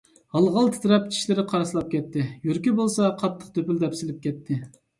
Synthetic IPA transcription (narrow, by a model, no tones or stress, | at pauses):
hɑlˠʁɑlˠt̪ʰɪ̥t̪ɾɛp̚t͡ʃʰi̥ʃlɪɾɪqʰɑɾɑslˠɑp̚kʲʰɛt̪ʰːɪjyɾkʲibolˠsɑqʰɑt̪ʰːə̥q̚t̪ʰøpyld̪ɛpsɪlɪp̚kʲɛt̪ʰːɪ